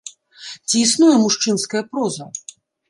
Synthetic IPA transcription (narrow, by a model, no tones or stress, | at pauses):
t͡sʲiːsnujɛmuʂt͡ʂɨnskɐjɐpɾɔzɐ